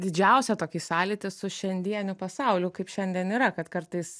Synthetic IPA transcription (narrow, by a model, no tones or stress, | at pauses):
d̪ʲɪd͡ʒʲɛˑʊsʲɛt̪oːkʲiːsɑːlʲiːt̪ʲɪsʊʃʲɛnʲd̪ʲiɛnʲʊpɐsɑʊlʲʊkɐɪpʃʲɛnʲd̪ʲiɛniːɾɐkɐt̪kɐɾt̪ɐɪs